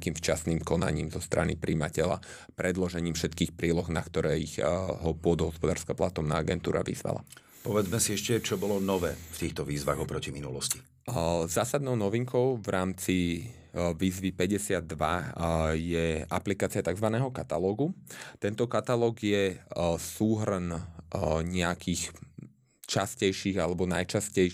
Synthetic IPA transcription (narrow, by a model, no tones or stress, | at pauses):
kiːmft͡ʃasniːmkɔna̰ɲiːmzɔst̪ɾa̰nḭpɾiːmacɛʎa̰ | pɾɛd̪lɔʒɛɲiːmfʃɛt̪kiːxpɾiːlɔɣnakt̪ɔɾɛːiɣɦɔpʊɔd̪ɔɦɔspɔd̪aːɾskaplat̪ɔmna̰ːaɡɛnt̪uːɾa̰ʋḭzʋa̰la̰ | pɔʋɛd͡zmɛsiɛʃcɛt͡ʃɔbɔlɔnɔʋɛ̰ːft̪iːxt̪ɔʋiːzʋaɣɔpɾɔciminulɔ̰sci̥ | zaːsad̪̚nɔʊnɔʋiŋkʰɔʊvɾʔaːmt͡si | ʋiːzʋipɛɟɛsɪad̪ːʋa̰ | jɛaplikaːt͡siɪat̪aɡzʋanɛːɦɔkat̪alɔːɡut̪ɛnt̪ɔkat̪alɔːɡjɛsuːɦrn | ɲɛakiːx | t͡ʃascɛjʃiːɣalɛbɔnajt͡ʃascɛj